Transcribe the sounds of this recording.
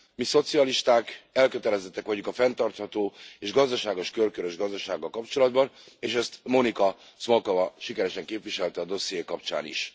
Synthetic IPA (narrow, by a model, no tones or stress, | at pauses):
miso̞t̪siɒliʃt̪aːkɛlkøt̪ɛlɛzɛt̪ːɛkʋɒɟukɒfɛnt̪ɒrt̪hɒt̪oːeːʒɡɒzd̪ɒʃaːɡo̞ʃkølkøɾø̞ʒɡɒzd̪ɒʃaːɡːɒlkɒpt͡ʃo̞lɒd̪bɒn | eːʃɛst̪mo̞nikɒ | smolkovɒʃikɛɾɛʃɛŋkeːpʋiʃɛlt̪ɛːd̪o̞sijeːkɒpt͡ʃa̰ːnḭʃ